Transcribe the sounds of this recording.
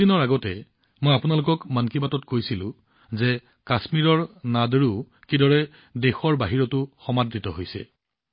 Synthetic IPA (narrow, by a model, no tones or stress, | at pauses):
inɔɹaɡɔtɛ | mojapʊnalʊkɔkmankibatɔtkojsilʊ̰̃ | zɛ | kasmiɹɔɹnadɹu | kidɔɹɛ | dexɔɹbaɦiɹɔtʊxɔmadːitɔɦojsɛ̰